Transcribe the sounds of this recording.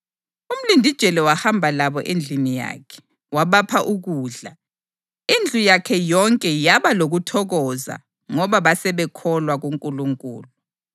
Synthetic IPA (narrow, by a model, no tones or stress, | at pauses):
um̩lindʱid̥ʒ̥ʱɛlɛwahambʱalaβɔʔend͡ɮʱinija̰ːkʰɛ̥ | waβapʰaʔuɣuːɮa | ind͡ɮʱujakʰɛjɔŋkʼɛjaβaloɣutʰɔɣɔza̰ | ŋɔβaβasɛβɛkʰɔlwaɣuŋkʼuluŋkʼṵːlu